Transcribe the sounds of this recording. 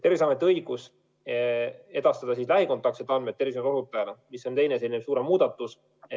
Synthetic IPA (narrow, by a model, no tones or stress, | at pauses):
t̪e̞rvis̬ɑme̞t̪ːˑeɤjɡ̥us | e̞d̪̥ɑst̪ɑd̪ɑsislæɦikot̪ːˑɑk̪set̪ːˑɑnmet̪ːevismɾoɦut̪ːˑɑjɑlmisːo̞nt̪e̞jneselʲinebsuːɾemːuːd̪̥ɑt̪ːˑus